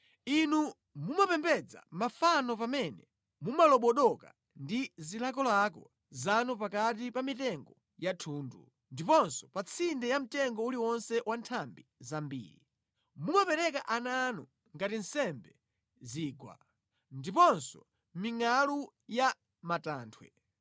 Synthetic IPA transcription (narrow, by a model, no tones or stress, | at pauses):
inu | mumapɛmbɛd͡za̰mafanɔpamɛnɛ | mumalɔɓɔɗɔka̰ | ndizilak̬ɔlakɔ̰ | zanupakatipamitɛŋɡɔ | jatʰuːndṵ | ndipɔnsɔ̥pat͡sʰindɛjam̩tɛŋɡɔuliwɔnsɛwʔantʰambizambḭːɾḭ | mumapɛɾɛkaʔananu | ŋɡatin̩sɛmbɛ | ziːɡwa̰ | ndipɔnsɔ | miŋalu | ja | mataːntʰwɛ̰